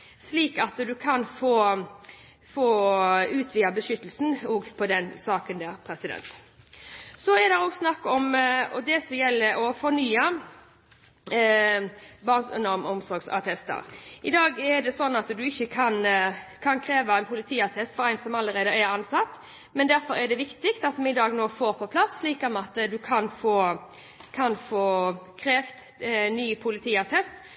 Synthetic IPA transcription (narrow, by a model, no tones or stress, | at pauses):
sliːkɑt̪d̪ʉkʰɑnfoː | foːʉːt̪ʰʋiːɑbəʃʏt̪ːəlsn̩ɔːɡpʰɔd̪ɛnsɑːkənd̪æːɾpʰɾɛsɪd̪ɛ̰nt̪ | sɔɛd̪ɛɾoːɡsnɑkːɔmɔ̰d̪ɛsɔjɛlːəɾɔfɔnyːɑ | bɑːnsʉ̰nɔɾmɔmsɔɾɡsɑ̰t̪ʰɛst̪ə̰ɾʔɪd̪ɑːɡɛd̪ɛsɔnːɑt̪d̪ʉɪçːəkʰɑnkʰɑnkʰɾeːʋɑæɪnpʰʊlɪt̪ʰiːɑt̪ʰɛst̪fɔɾæɪnsɔmɑlːəɾeːd̪əæɾɑnsɑt̪ː | mɛnd̪æɾfɔɾɛɖ̪ɛʋɪkt̪ɪkt̪ɑt̪mɛɪd̪ɑːɡnoːfoːɾpʰɔpʰlɑsliːkɑmɛɑt̪ːd̪ʉkʰɑnfoː | kʰɑnfoːkʰɾeːft̪ | nːyːpʰʊlɪt̪ʰiːɑt̪ʰɛst̪